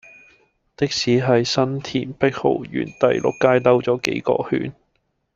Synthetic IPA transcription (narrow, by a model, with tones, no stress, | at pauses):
t̪ɪ˥k̚siː˨˥ɦɐ˨jsɐ˥nt̪ʰiː˨˩npɪ˥k̚ho̰˨˩wjy̰ː˨˩nt̪ɐ˨jlʊ̰˨kːaː˥jt̪ɐ˥wt͡sɔː˨˥kḛ˨˥jkɔ̰ː˧hy̰ː˨˥n